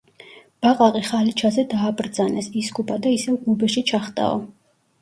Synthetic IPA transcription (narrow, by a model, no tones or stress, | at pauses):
b̥aqʼaqʼiχalit͡ʃʰazɛd̪aːbɾd̪zanɛsiskʼupʰʼad̪aisɛvɡubɛʃit͡ʃʰaχt̪ʼa̰ɔ̰